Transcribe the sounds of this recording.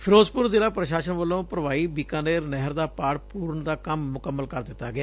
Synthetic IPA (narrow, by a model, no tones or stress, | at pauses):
pʰɪɾoːzpʊɾzeːɾaːpɾəʃaːʃənʋəlːõːpɾəʋaːiːbɪkaːneːɾnɛɦəɾd̪aːpaːɽpuːɾnd̪aːkəmːʊkəmːəlkəɾd̪ɪt̪ːaːɡɪaː